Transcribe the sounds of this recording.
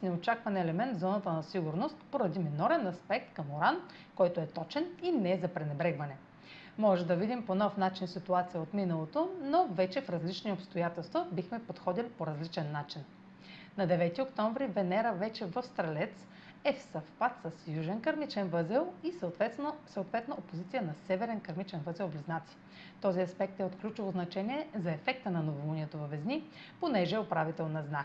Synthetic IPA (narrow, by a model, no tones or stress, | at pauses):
snɛot͡ʃakvɐnɛlɛmɛnt̪zɔnət̪ənɐsiɡʊɾnost̪poɾɐd̪iminɔɾɛnɐspɛk̚t̪kɐmoɾan | kɔjt̪oɛt̪ɔt͡ʃɛninɛzɐpɾɛnɛbɾɛɡvɐnɛ | mɔʒɛd̪ɐvid̪imponɔfnat͡ʃinsit̪uat̪sijəot̪minɐlˠot̪onovɛt͡ʃɛfɾɐzlit͡ʃniopst̪ojat̪ɛlˠst̪vəbixmɛpot̪xɔd̪ilipoɾɐzlit͡ʃɛnːat͡ʃin | nɐd̪ɛvɛt̪iokt̪ɔɱvɾivɛnɛɾəvɛt͡ʃɛvəfst̪ɾɐlʲɛt̪s | ɛfsɐfpat̪səsjuʒɛnkɐɾmit͡ʃɛnvəzɛlˠisət̪ɛsəot̪vɛt̪noopozit̪sijənɐsɛvɛɾɛnkɐɾmit͡ʃɛnvɤzɛlˠbliznat̪si̥ | t̪ɔziɐspɛk̚t̪ɛot̪klʲut͡ʃʊvoznɐt͡ʃɛniɛzɐɛfɛk̚t̪ənɐnovolˠuniɛt̪ovɐvɛzni | ponɛʒɛopɾavit̪ɛlˠnɐznak